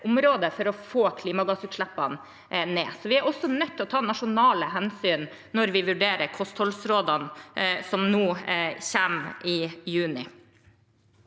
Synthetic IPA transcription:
ʔʊmɾoːd̪əfɔɾɔfoːkʰliːmɑɡɑsʉːt̪ʂɭæpːɑn | neːsɔʋɪæɾɔsɔnœt̪ːɔt̪ʰɑːnɑʂʊnɑːləɦɛnsyːn | nɔɾʋɪʋʉɖeːɾəɾkʰɔst̪hɔlsɾoːd̪ɑnsɔmnuːçæːmɪjʉːnɪ

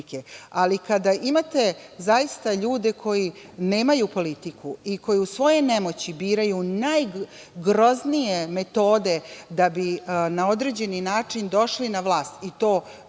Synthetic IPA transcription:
kealikad̪aʔimat̪e̞zajist̪aʎuːd̪e̞kʰo̞jine̞ːmajupo̞lit̪ikuiko̞jeusʋo̞jene̞mo̞t͡ɕibiːɾajunaj | ɡɾo̞znije̞me̞t̪o̞ːd̪e̞d̪abinao̞d̪ɾe̞d͡ʑe̞ninaːt͡ʂind̪o̞ʃlinaʋlˠaːst̪it̪o̞ː

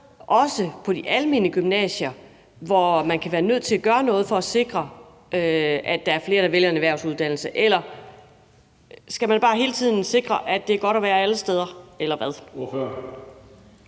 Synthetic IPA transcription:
ʔɒ̽səpʰɒ̽d̥iʔælme̝nəɡ̥ymnɛ̰ːɕɐ | ʋɒmænkʰæʋæːɐnøð̞̰ˠt͡sʰe̝læɡ̥ɶːɐnɔ̽ːð̞̩ˠfɒ̽æse̝ɡ̥ʁɐ | øæd̥ɑ̈æɐfle̝ːɐɾ̥æ̈ʋeljɐenæʋæɐʊsuð̞ˠd̥æn̰l̩səʔelɐ | sɡ̥æmænb̥ɑ̈ːɦe̝ːlət͡sʰið̞̰ˠn̩se̝ɡ̥ʁɐʔæd̥e̝æɐɡ̥ɒ̽ɾ̥ɒʋæːɐæləsd̥eð̞ˠɐelɐʋæð̞ˠ

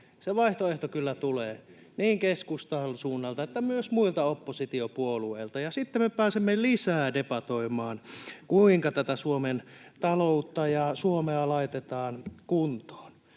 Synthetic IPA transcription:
seʋɑiht̪oeht̪okylːæt̪uleː | niːŋkeskust̪ɑlsuːnːɑlt̪ɑet̪ːæmyøsmuilt̪ɑopːosit̪iopuolueilt̪ɑjɑsit̪ːemepæːsemːelisæːdepɑt̪oimˑɑːnkuiŋkɑt̪æt̪æsuoment̪ɑlout̪ːɑjɑsuomeɑlɑit̪et̪ɑːnkunt̪o̥ːn

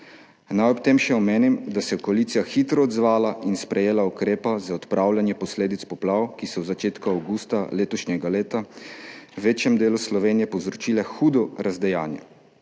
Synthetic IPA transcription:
najɔpt̪eːmʃɛɔmeːnimd̪asɛkɔalit̪sijaxiːt̪ɾɔːd̪zʋaːlaʔinspɾɛjeːlaukɾeːpazaɔt̪pɾʔawlʲjanjɛpɔsleːd̪it̪spɔplaːwkisɔzat͡ʃeːt̪kuawɡust̪aleːt̪ɔʃnɛɡaleːt̪a | ʋeːt͡ʃjɛmd̪eːluslɔʋeːnijɛpɔwzɾɔt͡ʃiːlɛxuːd̪ɔɾazd̪ɛjaːnjɛ̰

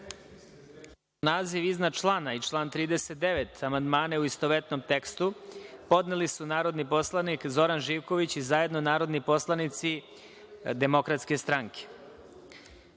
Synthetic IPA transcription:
naːziʋiznad̪t͡ʃlˠaːnait͡ʃlˠaːnt̪ɾiːd̪eset̪̚d̪eʋet̪amand̪maːneuist̪oʋet̪nomt̪e̞kst̪upo̞d̪nelisunaːɾo̞d̪nipo̞slˠanikzo̞ɾanʒiːʋko̞ʋit͡ɕizaje̞d̪no̞naːɾo̞d̪nipo̞slˠanit̪si | d̪e̞mo̞kɾat̪ske̞st̪ɾaŋke̥

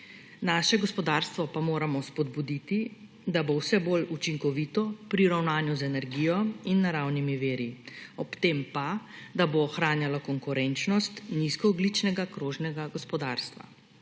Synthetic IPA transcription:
naːʃɛɡɔspɔd̪aːɾst̪ʋɔpamoːɾamɔspɔd̪̚bud̪it̪i | d̪abowsɛbolut͡ʃiŋkɔʋiːt̪ɔpɾiɾawnaːnjuzɛnɛɾɡijɔinːaɾawnimiʋeːɾiɔpt̪empad̪aboːxɾaːnjalɔkɔŋkuɾɛnt͡ʃnɔst̪niskɔːɡlit͡ʃnɛɡakɾoːʒnɛɡaɡɔspɔd̪aːɾst̪ʋa̰

